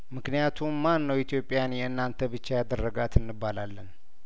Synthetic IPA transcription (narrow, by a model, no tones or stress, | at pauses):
mɨknijat̪ʰumːanːəwit̪ʰjo̞pʼːɪjanjɛɨnːant̪ʰəbɨt͡ʃːajad̪ərːəɡat̪ɨnːɨbːalalːən